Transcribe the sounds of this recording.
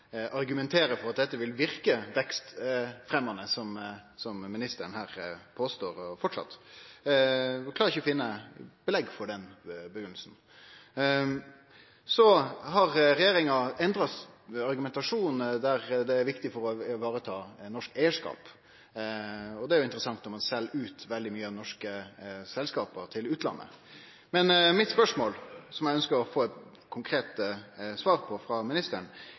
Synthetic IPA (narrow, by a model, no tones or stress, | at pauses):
ʔɑɾɡʉmɛnt̪ʰeːɾəfɔɾɑt̪̚d̪ɛt̪ːəʋɪlʋɪɾkəʋɛkst̪fɾɛmːɑnəsɔmsɔmmːɪnɪst̪əɾənhæːɾpʰoːst̪oːɾɔfɔʈʂɑ̰t̪ː | klɑɾɪçəɔfɪnːəbəlɛɡːfɔɾɖɛnbəɡʏnːləsn̩ | sɔɦɑʁɾɛjeːɾɪŋɑɛnd̪ɾɑsɑɾɡʉmɛnt̪ɑʂuːnd̪æʁd̪ɛæɾʋɪkt̪ɪfɔɾɔʋɑːɾət̪ʰɑːnɔʂkæɪəʂkɑ̰ːp | ɔd̪ɛæɾjʊɪnt̪əɾəsɑŋt̪nɔmɑnsɛlːʉːt̪ʋɛld̪ɪmyːəɑnɔʂkəsɛlskɑːpət̪ʰɪlʉːt̪ʰlɑ̰nːə̰ | mɛnmɪt̪spœʂmoːlsɔmjæɪœnskəɾɔfoːɛt̪ | kʰʊŋkʰɾeːt̪əsʋɑːɾpʰɔfʁɑmɪnɪst̪əɳ